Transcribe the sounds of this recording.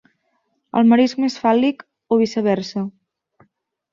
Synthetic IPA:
ə̰lˠməɾizmesfalik | oβisəβɛɾsə

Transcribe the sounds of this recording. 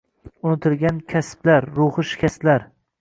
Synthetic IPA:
ʊnɪt̪ʰɪlˠɡʲankʲʰasblaɾɾʊhɨʃɪ̥kʲast̪laɾ

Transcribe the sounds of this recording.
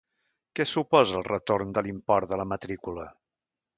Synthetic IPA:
kɛsupɔzəlˠrət̪ornd̪əlimpɔɾðələmət̪ɾikulə

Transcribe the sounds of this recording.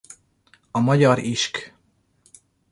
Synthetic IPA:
ɒmɒɟɒɾiʃk

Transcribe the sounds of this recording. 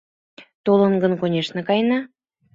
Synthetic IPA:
t̪olənɡə̆nkonʲeʃnə̆kɑjnɑ

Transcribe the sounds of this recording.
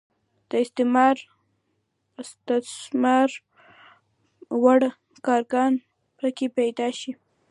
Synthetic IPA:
d̪̥əɪst̪ɪmɑɾ | d̪asmɑɾ | waɽ | kɑɾɡɑn | pɾakepajd̪ɑʃi

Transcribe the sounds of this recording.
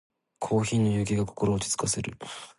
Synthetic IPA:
kʰo̞ːçiːnːojɯːɡʲiɡako̞̥ko̞ɾo̞ːt͡ɕi̥t͡sɨ̥kase̞ɾɯ̟

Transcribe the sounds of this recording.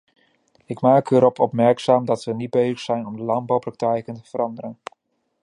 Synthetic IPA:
ɪkmaːkəɾɔpʰɔpmɛɹksaːmdɑtʋənid̚bejzəχsɛjnɔmdəlɑmbɑwprɑk̚tɛjkəntə̥v̥əɾɑndəɾən

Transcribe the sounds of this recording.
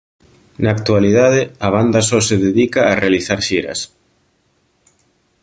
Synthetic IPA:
naːkt̪ualiðaðɪɐβand̪ɐsɔseðeðikaːrealiθaɾʃiɾɐ̰s

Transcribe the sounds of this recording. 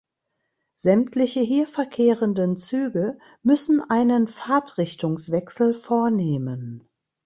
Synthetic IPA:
z̥ɛmtʰlɪçəɦiːɐfɛɐkʰeːʁəndənt͡syːɡə | mʏsn̩ʔaɪnənfaːtʁɪçtʊŋsv̥ɛksl̩foːɐneːmən

